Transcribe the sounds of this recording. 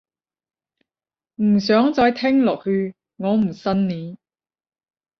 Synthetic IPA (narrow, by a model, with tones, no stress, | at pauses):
m̩˨˩sœː˨˥ŋt͡sɔː˧jt̪ʰɪ˥ŋlɔː˨k̚hyː˧ | ŋɔː˨˧m̩˨˩sɐ˥nniː˨˧